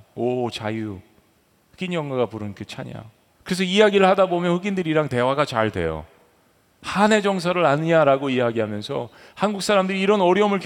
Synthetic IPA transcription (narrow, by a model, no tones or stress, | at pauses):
ot͡ɕaju | hɯɡinɲjʌŋɡaɡapuɾɯnkɯt͡ɕʰaɲa̰ | kɯɾe̞sʰʌijaɡiɾɯɭhadabomjʌnɸɯɡindɯɾiɾaŋte̞waɡat͡ɕaɭtwe̞̰jo̰ | hane̞d͡ʑʌŋsʰaɾɯɾaɲɯɲaɾaɡoijaɡiɦamjʌnsʰʌ̰ | hanɡuk̚s͈ʰaɾamdɯɾiːɾʌnʌɾjʌmɯɭk